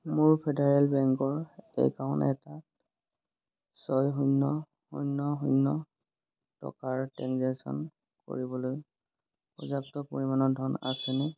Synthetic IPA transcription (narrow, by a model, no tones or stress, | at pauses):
mʊɹpʰɛdaɹɛlbɛŋkɔɹɛ̰kaɔnɛ̰ta | sɔjɦujnːɔ | hujnːɔɦunːɔ | tɔ̰kaɹtɛnzesɔ̰n | ko̰ɹibɔloj | pɔzak̚tɔpo̰ɹimanɔdʱɔna̰sɛnɛ